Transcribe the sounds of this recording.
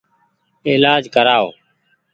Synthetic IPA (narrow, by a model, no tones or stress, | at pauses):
eːlaːd͡ʒkəɾaːo̰ː